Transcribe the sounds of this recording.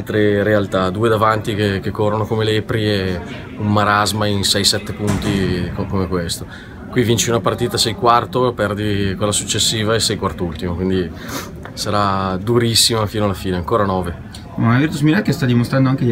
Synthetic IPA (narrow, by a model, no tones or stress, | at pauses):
lt̪ɾeɾealt̪ad̪uːed̪avant̪ikekekːorːonokomelepɾie | ummaɾazmainsɛjsɛt̪ːepunt̪ikkomekwest̪o | kwivint͡ʃiunapart̪iːt̪asɛjkwart̪opɛrd̪ikwelːasut͡ʃːesːiːvaesɛjkwart̪oult̪imokwind̪i | saɾad̪uɾisːimafiːnoalːafiːneaŋkoːɾanɔːve | unavirt̪usmilakːest̪ad̪imost̪ɾand̪oaŋke